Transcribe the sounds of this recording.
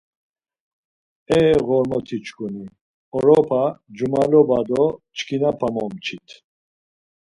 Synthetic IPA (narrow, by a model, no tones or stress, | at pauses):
ɛːɣɔɾmɔt̪ʰit͡ʃkʰuni | ɔɾɔpʰad͡ʒumalɔbad̪ɔt͡ʃkʰinapʰamɔmt͡ʃʰit̪ʰ